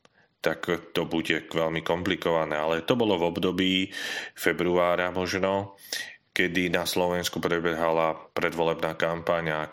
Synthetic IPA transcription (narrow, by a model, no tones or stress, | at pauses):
t̪akt̪ɔbuɟɛʋɛlmikɔmplikɔʋanɛːalɛt̪ɔbɔlɔvɔbd̪ɔbiːfɛbɾuaːɾamɔʒnɔ | kɛd̪inaslɔʋɛnskupɾɛbɛɦalapɾɛd̪ʋɔlɛbnaːkampaɲa